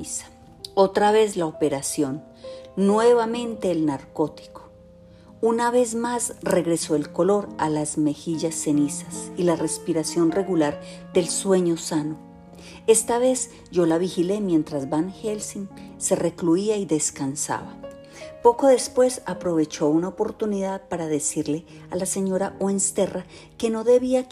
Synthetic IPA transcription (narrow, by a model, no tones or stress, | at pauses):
sḁ | ot̪ɾaβe̞zlaope̞ɾasjo̞nː | we̞βamẽ̞nt̪e̞ːlnaɾko̞t̪i̥ko̥ | unaβe̞zmasre̞ɣɾe̞so̞elko̞lo̞ɾalazme̞xiʝasːe̞nisasilare̞spiɾasjo̞nre̞ɣulaɾ | d̪e̞lswe̞ɲo̞sano | e̞st̪aβe̞z | d͡ʒo̞laβixile̞mje̞nt̪ɾazbanhelsinse̞re̞kluiaiðe̞skansa̰βa | po̞ko̞ðe̞spwe̞sapɾo̞βe̞t͡ʃo̞unaopo̞ɾt̪uniðaðpaɾaðe̞siɾle̞ | alase̞ɲo̞ɾaʔwenst̪e̞rʔa | ke̞no̞ðe̞βia